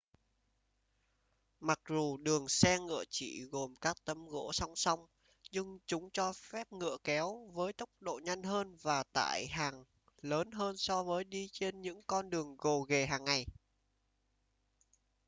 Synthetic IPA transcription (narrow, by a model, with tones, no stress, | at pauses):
ma˨˩k̚zu˨˩ɗɨ˨˩əŋsɛ˧ŋɨ̰˧˨ət͡ɕḭ˧˨ɣo˨˩mkaː˦˥k̚t̪ə˨˦mɣo̰˧˥sa˧wŋ͡msa˧wŋ͡m | ɲɨ˧ŋt͡ɕʊ˨˦ŋ͡mt͡ɕɔ˧fɛ˦˥p̚ŋɨ̰˧˨əkɛ˨˦wvəː˨˦jt̪ə˦˥wk͡p̚ɗo̰˧˨ɲa˧jŋɦəː˧nvaː˨˩t̪a̰ː˧˨jɦaː˨˩ŋ | ləː˨˦nɦəː˧nsɔ˧vəː˨˦jɗi˧t͡ɕe˧nɲɨ̰˧˥ŋkɔ˧nɗɨ˨˩əŋɣo˨˩ɣe˨˩ɦaː˨˩ŋːa˨˩j